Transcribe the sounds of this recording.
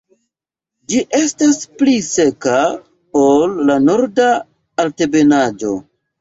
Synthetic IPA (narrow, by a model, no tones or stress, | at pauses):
d͡ʒiʔe̞stasplise̞ka | olːano̞ɾda | alte̞be̞nad͡ʒo̞̰